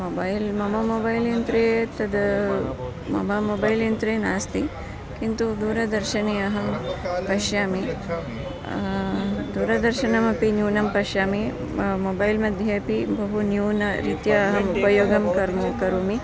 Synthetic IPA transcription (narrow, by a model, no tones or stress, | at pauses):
mobɐːjlmɐmɐmoːbɐjljɐnt̪ɾeːt̪ɐd̪ɐ | mɐ̰mɐmoːbɐjljɐnt̪ɾeːnaːst̪i | kint̪ud̪uːɾɐd̪ɐɾʃɐneːɐɦɐmpɐʃjaːmi | d̪uːɾɐd̪ɐɾʃɐnɐmɐpinjuːnɐmpɐʃjaːmi | moːbɐjlmɐd̪ʱjɐɐpibɐɦunjuːnɐɾit̪jɐːɦɐmupɐjoːɡɐmkɐɾmukɐɾuːmi